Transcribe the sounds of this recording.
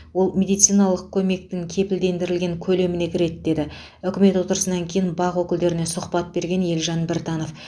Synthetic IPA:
wo̞lˠmʲe̞d̪ijt̪sɨjnɑlˠəq̚kʲʰɵme̞k̚t̪ɪŋkʲʰe̞pɪld̪e̞nd̪ɪɾɪlɡʲe̞ŋkʲʰɵle̞mɪne̞kʲʰɪɾe̞t̪d̪e̞d̪ɪ | ʏkʲɪme̞t̪wo̞t̪əɾəsənɑŋkʲʰejɪnbɑʁwɵkʲɪld̪e̞ɾɪne̞sʊχpɑt̪̚be̞ɾɡʲe̞nje̞lʒɑnbɪɾt̪ɑno̞f

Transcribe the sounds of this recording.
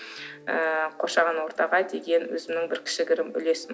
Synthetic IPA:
əqʰoɾʃɑʁɑnwo̞ɾt̪ɑʁɑjd̪e̞ɡʲe̞nwɵ̰zɪmnɪŋbɪɾkʲʰɪ̥ʃɪɡʲɪɾɪmʏ̰le̞sɪm

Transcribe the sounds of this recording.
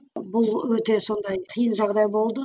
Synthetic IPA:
bʊlˠwɵt̪e̞so̞nd̪ɑj̪ʰijənʒɑʁd̪ɑjbo̞lˠd̪ə

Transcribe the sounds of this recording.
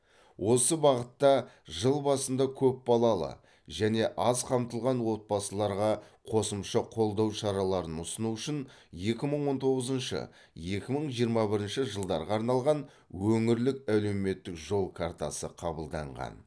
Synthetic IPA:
wʔo̞səbɑʁət̪ːɑ | ʒəlˠbɑsənd̪ɑkʲʰɵp̚bɑlˠɑlˠə̰ | ʒæne̞ʔɑzqʰɑmt̪əlˠʁɑnwo̞t̪̚bɑsəlˠɑɾʁɑqʰo̞səmʃəqʰo̞lˠd̪ɑwʃɑɾɑlˠɑɾənʊsənuʏʃɪn | je̞kʲɪməɴwo̞nt̪ʰo̞ʁəzənʃə̰ | je̞kʲɪməɴʒijəɾmɑbɪɾɪnʃɪʒəlˠd̪ɑɾʁɑːɾnɑlˠʁɑn | wɵŋɪɾlɪkæwle̞me̞t̪ːɪkʒo̞lˠkʰart̪asə̰qʰɑbəlˠd̪ɑ̰ɴʁɑ̰n

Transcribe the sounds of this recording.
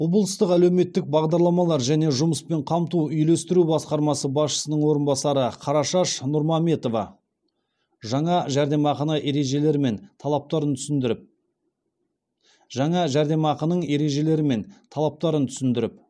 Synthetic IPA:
wo̞blˠəst̪əqælewme̞t̪ːɪk̚bɑʁd̪ɑɾlˠɑmɑlˠɑɾʒæne̞ʒʊməspe̞ɴqʰɑmt̪uʏjle̞st̪ɪɾubɑsqɑɾmɑsəbɑsʃə̥sənəɴwo̞ɾənbɑsɑɾəqʰɑɾɑʃɑʃnʊɾmɑme̞t̪o̞vɑ̰ | ʒɑɴɑʒæɾd̪e̞mɑqɑnɑʔe̞ɾe̞ʒe̞le̞ɾɪme̞nt̪ʰɑlˠɑp̚t̪ɑɾənt̪ʰʏsɪnd̪ɪɾɪp̚ | ʒɑɴɑʒæɾd̪e̞mɑqənəɴe̞ɾe̞ʒe̞le̞ɾɪme̞nt̪ʰɑlˠɑp̚t̪ɑɾənt̪ʰʏ̥sɪnd̪ɪɾɪp̚

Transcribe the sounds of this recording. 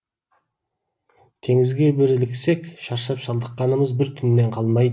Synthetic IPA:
t̪ʰe̞ŋɪzɡʲe̞bɪɾɪlɪkse̞kʃɑɾʃɑpʃɑlˠd̪əqːɑnəməzbɪɾt̪ʰʏnːe̞ɴqʰɑlˠmɑjd̪ə

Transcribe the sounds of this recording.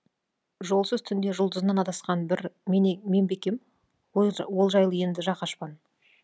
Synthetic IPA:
ʒo̞lˠsəzt̪ʰʏnd̪e̞ʒʊlˠd̪əzənɑnɑt̪ɑsqɑnbɪɾmeme̞mbe̞kʲe̞m | wolˠʒɑjlˠəje̞nd̪ɪʒɑqɑʃpɑn

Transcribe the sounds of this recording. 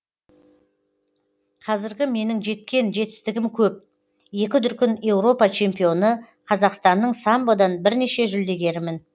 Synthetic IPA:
qʰɑzɪɾɡʲɪme̞nɪŋʒe̞t̪̚kʲe̞nʒe̞t̪ɪ̥st̪ɪɡʲɪmkʲʰɵp̚ | je̞kʲɪd̪ʏɾkʲɪnje̞wɾo̞pɑt͡ʃʰe̞mpijo̞nə | qʰɑzɑqst̪ɑnːəɴsɑmbod̪ɑnbɪɾne̞ʃe̞ʒʏld̪e̞ɡʲe̞ɾɪmɪn

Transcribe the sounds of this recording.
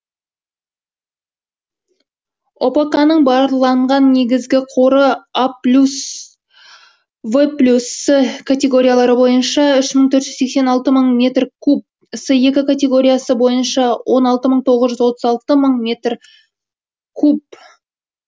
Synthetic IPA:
ʔopɑkɑnəɴbɑɾlˠɑɴʁɑnːe̞ɡʲɪzɡʲɪqʰoɾəaplʲus | vəplʲusːəkʰat̪ʲe̞ɡo̞ɾʲijalˠɑɾəbo̞jənʃɑʏʃməɴt̪ʰɵɾt̪ʒʏzse̞ksenɑlˠt̪əməɴmʲe̞t̪rkʲʰup̚ | səje̞kʲɪkʰat̪ʲe̞ɡo̞ɾʲijasəbo̞jənʃɑwʔo̞nɑlˠt̪əməɴt̪ʰo̞ʁəzʒʏzwo̞t̪əzɑlˠt̪əməɴmʲe̞t̪r | kʰup̚

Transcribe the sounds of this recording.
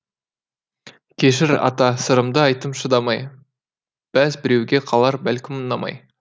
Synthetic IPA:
kʲʰe̞ʃɪɾɑ̰t̪ɑsəɾəmd̪əɑjt̪əmʃəd̪ɑmɑj | b̥æzbɪɾe̞wɡʲe̞qʰɑlˠɑɾbælkʲɪmənɑmɑ̰j

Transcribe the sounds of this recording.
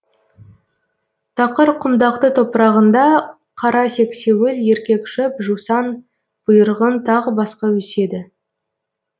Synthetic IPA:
t̪ʰɑqəɾqʰʊmd̪ɑq̚t̪ət̪ʰo̞pəɾɑʁənd̪ɑ | qʰɑɾɑse̞kse̞wɪlje̞ɾkʲe̞kʃɪpʒusɑn | b̥ʊjəɾəʁənt̪ʰɑʁəbɑsqɑwɵse̞d̪ɪ

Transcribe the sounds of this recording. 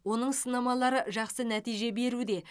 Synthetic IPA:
wo̞nəɴsənɑmɑlˠɑɾəʒɑqsənæt̪ijʒe̞be̞ɾud̪e̞

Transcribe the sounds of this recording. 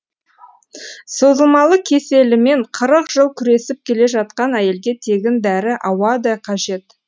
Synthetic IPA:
so̞zəlˠmɑlˠəkʲʰe̞se̞lɪme̞ɴqʰəɾəqʒ̥əlˠkʲʰʏɾe̞sɪp̚kʲʰe̞le̞ʒɑt̪̚qɑnæje̞lɡʲe̞t̪ʰe̞ɡʲɪnd̪æɾɪʔɑwɑd̪ɑjqʰɑʒe̞t̪

